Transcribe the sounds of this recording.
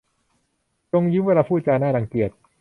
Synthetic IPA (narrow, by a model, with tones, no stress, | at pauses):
t͡ɕo˧ŋjɯ˦˥nweː˧laː˧pʰuː˥˩t͡ɕaː˧jnaː˥˩ɾa˧˩ŋki˨˩ət̪̚